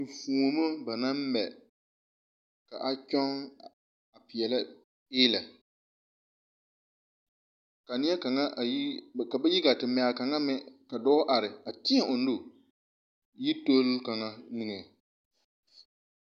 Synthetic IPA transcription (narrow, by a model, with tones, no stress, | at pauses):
fu˨o˨mo˦ba˨na˦m˦mɛ˨ | ka̰˨ʔa˦t͡ʃɔ˦ŋ | a˨pɪ˨ɛ˨la˦ | eː˦la˨ | ka˨nɪ˦ɛ˦ka˨ŋa˦˨˦ka˨bɛ˦ji˦ɡa˨tɪ˨m˨a˨ka˨ŋa˦mɛ˦ka˨dɔ˦ʔa˨ɾɪ˨a˨tɪ˦a˦˨ʔʊ˨n̩˦dʊ˦ | ji˦to˦lka˨ŋa˦nɨ˦ŋɛ˨